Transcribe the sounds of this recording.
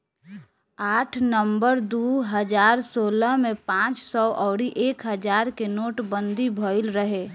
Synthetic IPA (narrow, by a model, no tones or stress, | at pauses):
aːʈʰnəmbəɾd̪uɦəd͡ʒaːɾsoːləɦmẽpãːt͡ʃsɔʔɔːɽiʔeːkɦəd͡ʒaːɾkenoːʈbə̃nd̪ʱibʱoːɪlɾəɦeː